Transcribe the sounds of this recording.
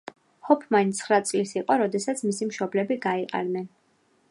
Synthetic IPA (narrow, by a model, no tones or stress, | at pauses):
hɔpʰmaint̪sʰχɾat̪sʼlisiqʼɔɾɔd̪ɛsat̪sʰmisimʃɔblɛbiɡaiqʼa̰nnɛn